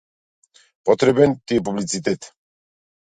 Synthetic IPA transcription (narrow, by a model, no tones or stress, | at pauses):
pʼɔt̪ʰɾɛbɛnt̪ip̬ublit͡s̪ʰit̪ɛt̪ʰ